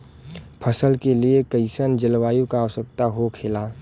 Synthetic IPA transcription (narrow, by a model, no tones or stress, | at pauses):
pʰəsəlkeliekəɪsənd͡ʒɪlʋaːjũkaːʋəsək̚t̪aɦokʰelaː